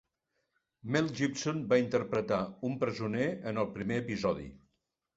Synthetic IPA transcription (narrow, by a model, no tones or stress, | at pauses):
mɛlˠʒipsonbaint̪ərpɾət̪aumpɾəzuneənəlˠpɾimeəpizɔðḭ